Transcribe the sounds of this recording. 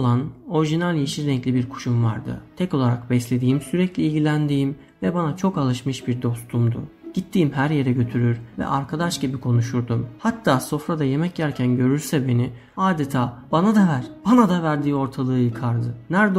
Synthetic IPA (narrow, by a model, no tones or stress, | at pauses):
lˠano̞ɾiʒinalʲjiʃiɾɛŋclʲibiɾkʰu̥ʃumva̰ɾd̪ɯ̰t̪ʰɛko̞lˠaɾakbɛslʲe̞d̪iːimsyɾɛclʲiːlʲɟʲilʲænd̪iːm | vɛbanat͡ʃʰo̞kalˠɯʃmɯʃbiɾd̪o̞st̪ʰumd̪ṵɟ̥it̪ʰːiːmɦæɾje̞ɾɛɟø̞t̪ʰyɾyɾvɛ̰ʔaɾkʰad̪aʃɟibikʰo̞nuʃuɾd̪umhat̪ʰːaːso̞fɾad̪aje̞mɛcɟæɾcʰænɟø̞ɾyɾsɛbe̞ni | aːd̪et̪ʰaːb̥anad̪avæɾ̥b̥anad̪avæɾd̪iːo̞ɾt̪ʰalˠɯːɯːjɯkʰaɾd̪ɯnæɾd̪